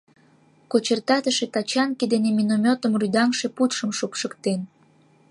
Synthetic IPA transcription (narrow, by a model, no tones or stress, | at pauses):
kot͡ɕert̪ɑt̪əʃet̪ɑt͡ɕɑnked̪eneminomʲot̪əmryd̪ɑŋʃeput̪ʃəmʃopʃəkt̪en